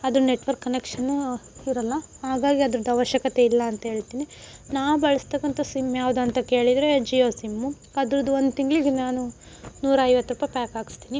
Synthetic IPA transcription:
ɐd̪ɾune̞ʈʋɐɾkːɐnekʂɐnːuid̪ɾɐlːɐɦaːɡaːɡiɐd̪ɐɾɐd̪ɐʋɐʃjɐkɐt̪e̞ilːɐːnt̪ɐɦe̞ːɭt̪iːninaːʋubɐɭɐst̪ɐkːɐnt̪ɐsimːjaːʋud̪uɐnt̪ɐke̞ːɭid̪ɾed͡ʒijoːsimːu | ɐd̪ɾɐd̪uo̞nd̪ut̪iŋɡɭiɡenaːnu | nuːɾɐɐjʋɐt̪ːɾuːpɐjpaːkaːɡi̥st̪iːni

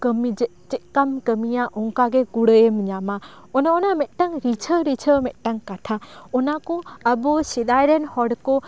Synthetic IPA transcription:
kəmid͡ʒɛ | t͡ʃɛkamkəmijaʔɔŋkaɡɛɡuɽəjemɲama | ɔnaɔnamɛt̪̚ˀʈaŋɾit͡ʃʰəɾit͡ʃʰəmɛt̪̚ˀʈaŋkaʈʰaɔnakɔəbɔsid̪ajɾɛnhɔɽkɔ

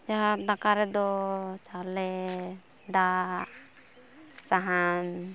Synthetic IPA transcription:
d͡ʒaad̪akaɾɛd̪ɔt͡ʃalɛ | d̪a | saɦan

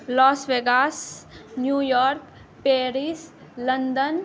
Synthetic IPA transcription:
lɔːsʋeːɡaːsnjuːjɔːɾk | peːɾis | lə̃nd̪ən

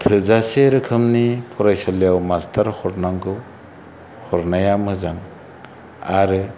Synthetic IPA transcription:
tʰɯzaseɾɯkʰɯmnipʰɔɾajsaljawmastʰaɾhɔɾnaŋɡɯw | hɔɾnajamɯzaŋ | aɾɯ

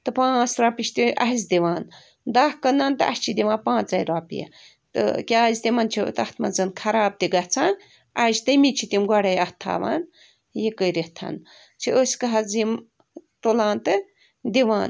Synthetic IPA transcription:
t̪ɨpãːt͡sʰɾaːpiʃt̪iʔɐɦizd̪iʋaːn | d̪ahkɐnːaːnt̪ɨʔɐ̰ʃʲt͡ʃʰid̪iʋãːnpãːt͡szɐjɾaːpḭjɐ̰ | t̪ɨ̰kʲaːzt̪imaːnt͡ʃʰḭt̪ɐht̪ʰmɐ̰zɨnkʰɐɾaːb̚t̪iɡɐt͡sʰãːn | ɐzt̪ɨjmit͡ʃʰit̪imɡɐɽɐjɐht̪ʰːa̰ːʋa̰ːn | jekəjɾeht̪ʰɐ̰n | t͡ʃʰiosʲkɐɦɐzim | t̪olãːnt̪ɨ | d̪iʋãːn

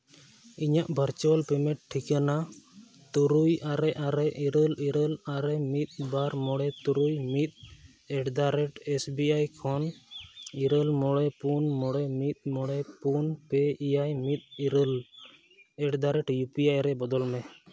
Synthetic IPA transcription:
iɲaʔbʱəɾt͡ʃɔlpɛmɛt̪̚ʈʰːikana | t̪uɾujaɾɛʔaɾɛʔiɾəliɾəlaɾɛmit̪̚ˀbaɾmɔɽɛt̪uɾujmit̪̚ | ɛʈd̪aɾɛʈɛsbiajkʰɔn | iɾəlmɔɽɛpunmɔɽɛmit̪̚mɔɽɛpunpɛijajmit̪̚iɾəl | ɛʈd̪aɾɛʈjupijajɾɛbɔd̪ɔlmɛ

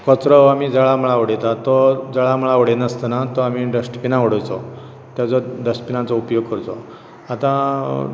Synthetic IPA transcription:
kɔt͡sɾɔamid͡zəɭaməɭaʋəɽet̪at̪ɔd͡zəɭaməɭaʋəɽenəst̪ənat̪ɔamiɖəsʈpinaəɽɔjt͡sɔ | t̪jat͡sɔd̪əspinãt͡sɔupjoɡ̚kəɾt̪ɔ | at̪ã

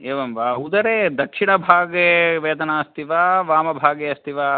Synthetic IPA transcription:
eːʋɐmʋaːud̪ɐɾed̪ɐkʂiɳɐbʱaːɡeːʋeːd̪ɐnaːɐst̪ʰiʋaːʋaːmɐbʱaːɡeɐst̪ʰiʋaː

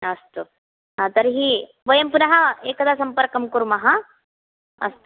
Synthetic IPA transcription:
ɐst̪u | ɦãt̪ɐɾɦiː | ʋɐjɐmpunɐɦɐeːkɐd̪aːsɐmpɐɾkɐmkuɾmɐɦɐ | ɐ̰st̪

